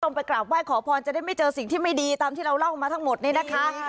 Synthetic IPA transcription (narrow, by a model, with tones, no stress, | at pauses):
o˧˥˩ŋpa˧jklaː˨˩p̚waː˥˩jkʰɔː˩˦pʰɔː˧nt͡ɕa˨˩daː˥˩jma˥˩jt͡ɕɤː˧si˨˩ŋt̪ʰiː˥˩ma˥˩jdiː˧t̪aː˧mt̪ʰiː˥˩ɾa˧wla˥˩wmaː˧t̪ʰa˦˥ŋmo˨˩t̪̚niː˥˩na˦˥kʰa˦˥